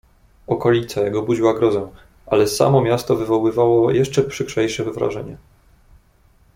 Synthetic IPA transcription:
ɔkɔlʲit̪sajɛɡɔbud͡ʑiwaɡɾɔzɛ̃ | ʔa̰lɛsa̰mɔmʲjast̪ɔvɘvɔwɘvawɔjɛʂt͡ʂɛpʂɘkʂɛjʂɛvvɾa̰ʐɛ̰ɲɛ

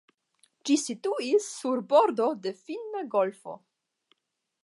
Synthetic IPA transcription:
d͡ʒisituisːuɾbo̞ɾdo̞de̞filnaɡo̞lfo̰

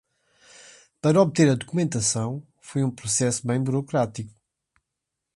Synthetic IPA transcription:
pɐɾɐɔβt̪eɾɐðukumẽnt̪ɐsɐ̃w̃ | fojũpɾusɛsuβɐ̃j̃buɾukɾat̪iku̥

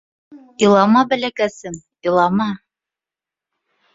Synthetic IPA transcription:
ilˠɑmɑbælækæsɘm | ilˠɑmɑ

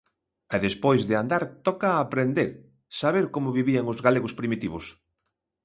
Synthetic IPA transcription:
ɛðespojzðɪand̪aɾt̪ɔkaːpɾend̪eɾ | saβ̞eɾkomʊβiβiaŋʊzɣaleɣʊspɾimit̪iβ̞ʊs

